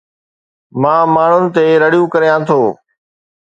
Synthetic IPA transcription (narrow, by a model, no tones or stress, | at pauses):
mãːmaːɳ̤ʊnɪ̆t̪eːɾəɽijũːkəɾjãːt̪ʰoː